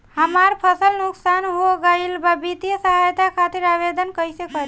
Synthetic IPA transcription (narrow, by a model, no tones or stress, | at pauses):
həmaɾpʰəsəlnuksanɦoɡəɪlbabit̪ijəsəɦajt̪akʰat̪iɾaβed̪ənkəjsekəɾ